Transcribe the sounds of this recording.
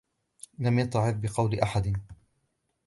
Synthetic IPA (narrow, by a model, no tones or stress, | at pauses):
lamjat̪ʕɪbbɪqɑwlʔaħad̪